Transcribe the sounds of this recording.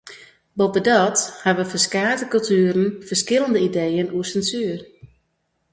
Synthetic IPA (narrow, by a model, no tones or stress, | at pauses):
bɔbədɔthaʋəfərskaːtəkɵlˠtyːɾn̩fərskɪləndəidejənuəsɛnsyːər